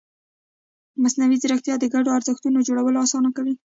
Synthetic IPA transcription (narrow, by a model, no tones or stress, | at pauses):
masnawizəɾaxt̪jɑd̪əɡaɖoaɾzəxt̪unod͡ʒoɽawəloɑsɑnakawi